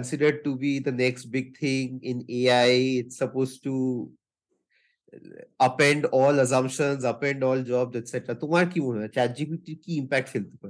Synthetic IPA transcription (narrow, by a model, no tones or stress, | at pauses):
kə̃nsɪɖəɾɖ̚ʈubid̪ənɛksʈbɪɡ̚t̪ʰɪ̃ŋɪ̃neaeɪʈsɐpoːzʈu | ɐpɛ̃ɳɖɔːlɐs̬ãmpʃə̃nzɐpɛ̃ɳɖɔːld͡ʒɔːbzɛʈsɛʈɾat̪ʊmãɾkĩmõɦat͡ʃad͡ʒibiʈikiɪ̃mpɛːk̚ʈkʰelt̪ipɐ